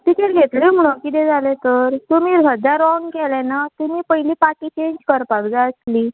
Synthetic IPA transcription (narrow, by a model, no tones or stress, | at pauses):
ʈikeʈɡʱet̪lim̤uɽ̃okit̪ed͡zʱalet̪əɾt̪umiːɾɦəd͡zaɾɔnkɛlɛnat̪umiːpəjliːpaʈiːt͡ɕeɲd͡ʑkəɾpakd͡zaəsliː